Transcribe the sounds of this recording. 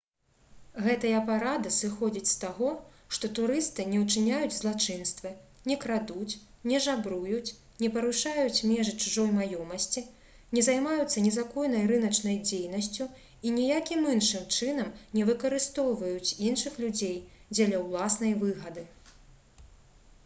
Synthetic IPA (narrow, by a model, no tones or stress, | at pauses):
ɣɛt̪ɐjɐpaɾad̪ɨsɨxɔd͡zʲit͡sʲst̪aɣɔ | ʂt̪ɔt̪uɾɨst̪ɨnʲɛwt͡ʂɨnʲajud͡zʲzlˠat͡ʂɨnst̪vɨ | nʲɛkɾad̪ut͡sʲ | nʲɛʐabɾujut͡sʲ | nʲɛpɐɾuʂajut͡sʲmʲɛʐɨt͡ʂuʐɔjmajɔmɐsʲt͡sʲi | nʲɛzajmajut̪sːɐnʲɛzakɔjnɐjɾɨnɐt͡ʂnɐjd͡zʲejnɐsʲt͡sʲu | inʲijakʲiminʂɨmt͡ʂɨnɐmnʲɛvɨkɐɾɨst̪ɔwvɐjut͡sʲinʂɨxlʲud͡zʲejd͡zʲɛlʲɐwlˠasn̪ɐjvɨɣɐd̪ɨ